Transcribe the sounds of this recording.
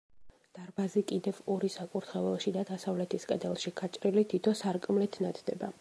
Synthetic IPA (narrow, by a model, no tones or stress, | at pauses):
d̪̥aɾbazikʼid̪ɛvɔɾisakʼuɾt̪ʰχɛvɛlˠʃid̪ad̪asavlɛt̪ʰiskʼɛd̪ɛlˠʃikʰʼat͡ʃʼɾilit̪ʰit̪ʰɔsaɾkʼmlɛt̪ʰnat̪ʰd̪ɛ̰ba